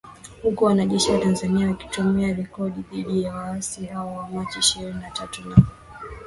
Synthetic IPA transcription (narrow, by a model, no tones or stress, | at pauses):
hukuwanaʄɛʃiwatanzaniawaki̥tumɛaɾɛkɔɗiðiɗijawaasihaɔwamat͡ʃiiʃiɾininatatuna